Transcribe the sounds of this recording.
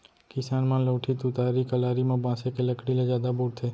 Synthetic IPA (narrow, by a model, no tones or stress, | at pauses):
kɪsaːnmãləːʈʰit̪ʊt̪aːɾikəlaːɾimãbãːsekeləkɽiled͡ʒjaːd̪abuɽt̪ʰeː